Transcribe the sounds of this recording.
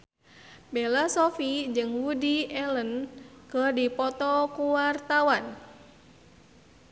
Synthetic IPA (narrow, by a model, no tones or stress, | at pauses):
belasɔfid͡ʒɨŋwudiɛlənkərdipɔt̪ɔkuwart̪awan